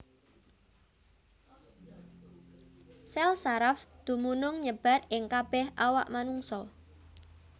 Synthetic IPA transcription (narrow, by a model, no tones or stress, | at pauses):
sɛlsaɾafd̪̥ṳmunʊŋɲəb̥a̤ɾɪŋkab̥ɛhawa̰ʔmanuŋsɔ